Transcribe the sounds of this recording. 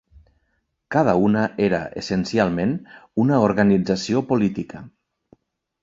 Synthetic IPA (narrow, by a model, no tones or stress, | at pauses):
kað̞əunəʔeɾə̰ʔḛsensialˠmenunəoɾɣanid͡zasiopulit̪ikə